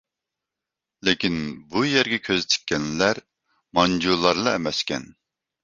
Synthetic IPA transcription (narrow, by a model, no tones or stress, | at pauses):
lɪkʲinbujɛɾɡʲɛkʲʰøzt͡ʃʰɪ̥kʲːɛnlæɾ | mɑnd͡ʒulˠːɑɾlˠɑɛmɛskʲɛ̰n